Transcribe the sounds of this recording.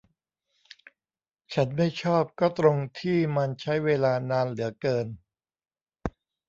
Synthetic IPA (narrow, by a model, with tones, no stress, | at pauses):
t͡ɕʰa˦˥nma˥˩jt͡ɕʰɔː˥˩p̚kɔː˥˩t̪ɾo˧ŋt̪ʰiː˥˩ma˧nt͡ɕʰa˦˥jweː˧laː˧naː˧nlɯ˩˦ɐkɤː˧n